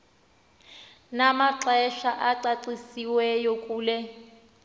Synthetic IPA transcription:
namaǁɛʃaʔaǀaǀisiwɛjokʼuːlɛ

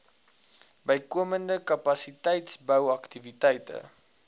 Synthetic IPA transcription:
bəjkuəməndəkɐpɐsitɛjtsbəwɐktivitɛjtə̰

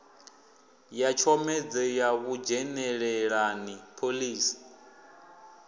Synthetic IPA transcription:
jat͡ʃʰɔmɛd͡zɛjaɣud͡ʒɛnɛɺɛɺanipʰoliːsi̥

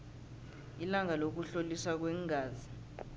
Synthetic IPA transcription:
ilaŋalok̬uɬoliswak̬wɛŋɡʱaːzi

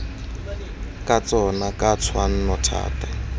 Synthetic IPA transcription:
kat͡sɔnakʼat͡sʰwan̩nɔtʰa̰ːta

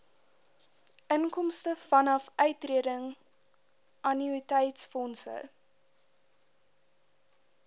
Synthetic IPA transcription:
ʔənkɔmstəfɐnɐfœɥtriədəŋ | ʔɐniitɛjtsfɔnsə̰

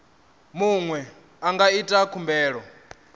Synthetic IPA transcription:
muŋwɛ | aŋɡaitʼakʰumbɛːɺɔ

